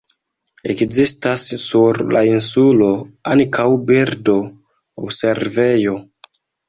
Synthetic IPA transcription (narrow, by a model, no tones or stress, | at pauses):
ekzistasːuɾlainsulo̞aŋkʰawbiɾdo̞ | awse̞ɾve̞jo̞